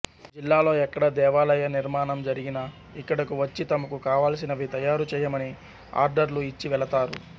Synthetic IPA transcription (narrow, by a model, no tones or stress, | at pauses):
d͡ʒilːaːlo̞ːɛkːɐɽɐd̪ɛːʋaːlɐjɐniɾmaːnɐmd͡ʒɐɾiɡinɐ | ikːɐɽɐkuʋɐt͡ʃːit̪ɐmɐkukaːʋaːls̬inɐʋit̪ɐjaːɾut͡ʃɛːjɐmɐni | a̰ːɾɖɐɾluit͡ʃːiʋɛɭɐt̪aːɾṵ